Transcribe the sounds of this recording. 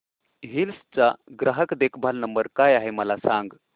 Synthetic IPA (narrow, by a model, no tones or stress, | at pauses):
ɦilst͡saɡɾʔaɦəkd̪ekʰbʱalnəmbəɾkajaɦeməlasãŋɡ